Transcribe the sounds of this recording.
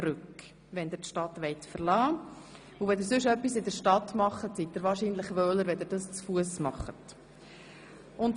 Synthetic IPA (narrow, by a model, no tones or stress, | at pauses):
ɾʉk | vɛnd̪ɪɾtʃtɑtʋɛɪtfəɾlɑː | uvɛd̪ɪɾsʏʃœpːisɪdəʃtɑtmɑχətsit̚d̥̪əɾvɑːɾʃinləχvœːləɾvɛdɪɾdɑst͡sfuəsmɑχət | ʊnt